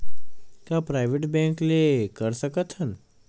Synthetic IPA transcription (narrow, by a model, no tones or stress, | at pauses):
kjapɾajʋeʈbɛ̃ŋklekəɾsəkət̪ʰɦən